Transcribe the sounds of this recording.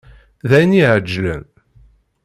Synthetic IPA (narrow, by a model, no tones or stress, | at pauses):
ðæjniʕəd͡ʒːlə̰n